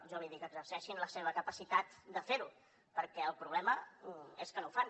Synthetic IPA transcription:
ʒɔβɔjðikəːɡzəɾsɛʃinləseβ̞əkəpəsit̪at̪̚d̪əfeɾu | pəɾkɛəlˠpɾuβlɛməeskənoufan

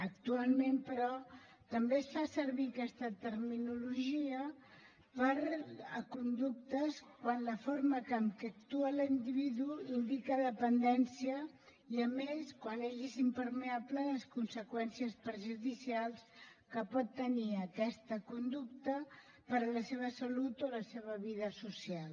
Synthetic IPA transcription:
ək̚t̪ualˠmempəɾɔ | t̪əmbesfasəɾβikɛst̪ət̪əɾminuluʒiə | pəɾəkund̪uk̚t̪əskwanləfoɾməkəmkɛək̚t̪uəlind̪iβiðuind̪ikəðəpənd̪ɛnsiə | iəmeskwaneʒezimpəɾmeaplələskunsəkwɛnsiəspɾʒuðisialˠskəpɔt̪ːəniəkɛst̪əkund̪uk̚t̪ə | pəɾləseβəsəlut̪oləseβ̞əβiðəsusijalˠ

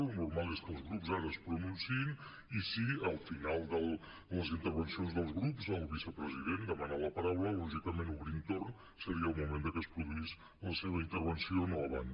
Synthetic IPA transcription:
unuɾmalˠeskəlˠzɣɾupzaɾəːspɾununsiin | isiəlˠfinalˠd̪əlˠ | ləzint̪əɾβənsionzðəlˠzɣɾupzəlˠβisəpɾəziðend̪əmənaləpəɾawləlɔʒik̚t̪əmenuβɾint̪orn | səɾiəlˠmumend̪əkəspɾuðuis | ləseβəint̪əɾβənsionoəβa̰n

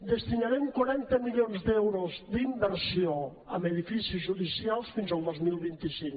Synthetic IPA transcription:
d̪əst̪inaɾɛmkwaɾɛnt̪əmiʎonzd̪ɛwɾozd̪imbəɾsjo | əmeðifisizʒuðisialˠsfinzalˠd̪ozmilˠβint̪isiŋ

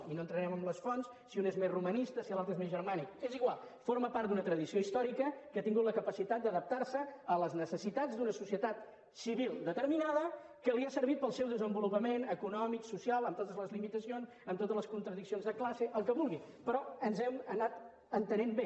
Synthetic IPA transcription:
inont̪ɾəɾɛməmləsfons | siunezmezrumənist̪əsilalˠt̪ɾezmezʒərmanikeziɣwalˠ | foɾməpaɾt̪d̪unət̪ɾəðisioist̪ɔɾikəkat̪iŋɡut̪ləkəpəsit̪at̪̚d̪əðəp̚t̪arsəələznəsəsit̪ad͡zd̪unəsusiət̪at̪ | siβilˠd̪ət̪əɾminaðə | kəliasəɾβit̪̚pəlˠsɛwðəzəmbulupəmenəkunɔmiksusialˠəmt̪ot̪əzləzlimit̪əsionsəmt̪ot̪əzləskunt̪ɾəðiksionzðəklaseʔəlˠkəβulˠɣi | pɾɔənzɛmənat̪ | ənt̪ənembe

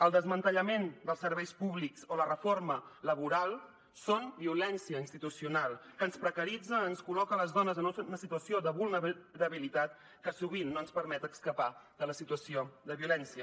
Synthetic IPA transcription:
əlˠd̪əzmənt̪əʎəmend̪əlˠsəɾβɛjspuβliksolərəformələβ̞uɾalˠ | sonbiulɛnsiəinst̪it̪usiunalˠkəːnspɾəkəɾid͡zəːnskulɔkələzðɔnəzənunəsit̪uəsioðəβulˠnəɾəβilit̪at̪ | kəsuβ̞inːoənspəɾmɛt̪əkskəpad̪ələsit̪uəsioðəβiulɛnsiə

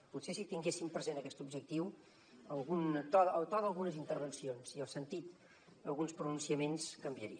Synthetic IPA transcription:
putsesit̪iŋɡesimpɾəzenəkɛst̪ubʒək̚t̪iw | əlˠɣunt̪ɔəlt̪ɔðəlˠɣunəzint̪əɾβənsionziəlˠsənt̪it̪ | əlˠɣunspɾunũnsiəmenskəmbiəɾiə

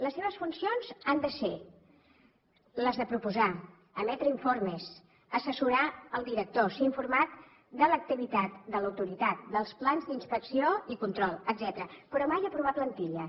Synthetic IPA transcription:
ləsːeβəsfunsionzand̪əse | ləzðəpɾupuza | əmɛt̪ɾəiɱforməs | əsəsuɾaəlˠd̪iɾək̚t̪osiɱfuɾmat̪̚ | d̪ələk̚t̪iβit̪at̪̚d̪ələwt̪uɾit̪at̪̚d̪əlˠsplanzd̪inspəksioikunt̪ɾɔlˠəd̪zɛt̪ɾəpəɾɔmajəpɾuβ̞ap̪lənt̪iʎə

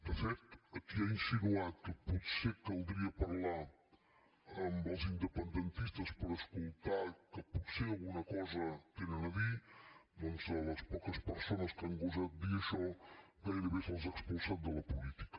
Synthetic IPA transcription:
d̪əfɛɾt̪əkiainsinuat̪̚kəpɔt̪sekalˠd̪ɾiɐpɐɾla | ambəlˠzind̪əpənd̪ənt̪ist̪əspəɾəskulˠt̪aɾkəpɔt̪sealˠɣunɐkɔzɐt̪enənɐvid̪oŋzəlɐspɔkəspəɾsonɐskəaŋɡuzat̪̚d̪iɐʃɔɡajɾəβesalzəkspunsat̪̚d̪əlɐpulit̪i̥kə̥

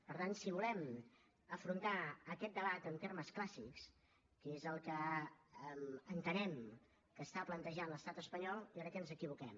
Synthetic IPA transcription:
pəɾt̪ansiβulɛm | əfɾunt̪aəkɛt̪̚d̪əβat̪ənt̪erməsklasiks | kezəlˠkə | mənt̪ənɛm | kəst̪aplənt̪əʒanləst̪at̪əspəɲɔlˠjɾəkɛənzəkiβukɛm

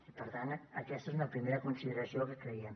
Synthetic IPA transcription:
ipəɾt̪anə̰kɛst̪əezunəpɾimeɾəkunsiðəɾəsiokəkɾəiəm

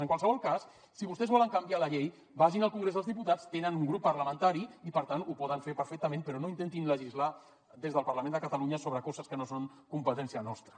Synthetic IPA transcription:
əŋkwalsəβɔlˠkasː | iβust̪ɛzβɔləŋkəmbialəʎej | baʒinəlˠkuŋɡɾezðəlˠzðiput̪at͡st̪enənuŋɡɾupːəɾləmənt̪aɾiipəɾt̪anupɔðəɱfepəɾfɛk̚t̪əmẽnpəɾɔnoint̪ent̪inləʒizla | d̪ezðəlˠpəɾləmend̪əkət̪əluɲəsoβɾəkɔzəskənosoŋ | kumpət̪ɛnsiənɔst̪ɾə

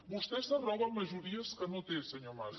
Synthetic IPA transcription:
mɔʃt̪ɛʃt̪ɐrɔβɐmɐʒuɾiɐʃsɨ̥kɐnot̪evsɨɲoɾma

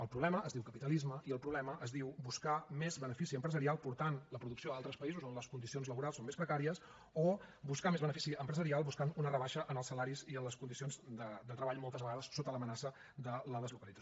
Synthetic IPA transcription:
əlˠpɾuβlɛməəzðiwkəpit̪əlizməʔiəlˠpɾuβlɛməʔəzðiwbuskamezβənəfisiəmpɾəzəɾialˠpuɾt̪anləpɾuðuksioðalˠt̪ɾəspəizuzonləskund̪isionzləβuɾalˠsomespɾəkaɾiəs | obuskamezβənəfisiəmpɾəzəɾialˠbuskanunərəβaʃəʔənəlˠsːəlaɾiziənləskund̪isionzd̪əd̪ət̪ɾəβaʎmolˠt̪əzβəɣaðəsːot̪ələmənasə | d̪ələðəzlukəlid͡zə

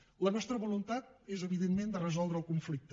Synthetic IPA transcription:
lənɔst̪ɾəβulunt̪at̪̚ezəβiðenmend̪ərəzɔlˠd̪ɾəlˠkuɱflik̚t̪ə

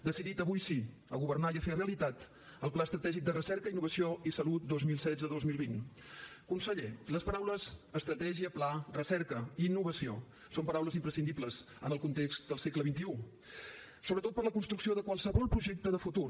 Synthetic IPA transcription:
d̪əsiðit̪əβujsi | əɣuβərnaiəfereəlit̪at̪ | əlˠplaəst̪ɾət̪ɛʒik̚d̪ərəsɛɾkəinːuβəsioisəlut̪̚d̪ozmilˠsɛzəðozmilˠβin | kunsəʎeləspəɾawləzəst̪ɾət̪ɛʒiəplarəsɛɾkəiːnːuβəsio | sompəɾawləzimpɾəsind̪ipləz | ənəlˠkunt̪ekst̪d̪əlˠsekləβint̪iu | soβɾət̪ot̪̚pərləkunst̪ɾuksioðəkwalˠsəβɔlˠpɾuʒek̚t̪əðəfut̪ur

